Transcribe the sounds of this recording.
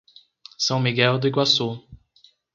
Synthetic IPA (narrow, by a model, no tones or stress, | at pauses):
sɐ̃w̃miɡɛwd̪ʊiɡwaso